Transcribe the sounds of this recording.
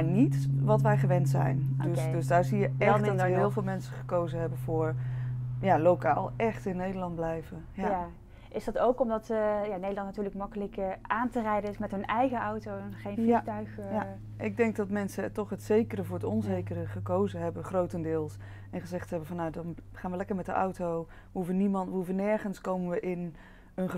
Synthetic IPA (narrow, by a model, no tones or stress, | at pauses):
aɹnitʋɑtʋɛjχəʋɛntsɛ̰jndsdɵsdaːɹzijəɛtɔəɦɪːlˠvɪːlˠmɛnsəχə̥kowzəɦɛbənvʊːɹ | jalowka̰ːlˠʔɛχtɪnːejdəɹlɑnd̚blɛjvəjaa | ʔɪsdɑtowkɔmdɑtjanejdəlɑntnatyːɹləkmɑkələkʔaːntərɛjdəɪsmɛtɦɵnɛjɣəʔɑwtownχejnfitœɥxja | ʔɪɡ̚dɛŋk̚dɑtmɛnsətɔχɦətsejkərəvʊːɹətɔnzejkərəχəkowzəɦɛbəχrowtəndɪːlˠs | ʔɛnχəzɛχtɦɛbənvɑnːawdɑnχaːnʋəlɛkəɹmɛtdəʔɑ̰wtow | ʋəɦuvənimɑntʋəɦuvənɛɹχənskowmənʋəʔɪn | ənχə